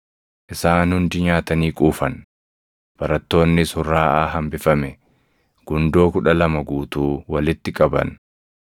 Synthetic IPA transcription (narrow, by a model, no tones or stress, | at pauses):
ʔɪsaːnhʊnd̪ɪɲaːt̪ɐniːkʼuːfɐn | b̥ɐɾɐt̪ːo̞ːnːɪshʊrːaːʔaːɦɐmbɪfɐmɛ | ɡ̥ʊnd̪o̞ːkʊᶑɐlɐmɐɡuːt̪uːwɐlɪt̪ːɪkʼɐbɐ̰n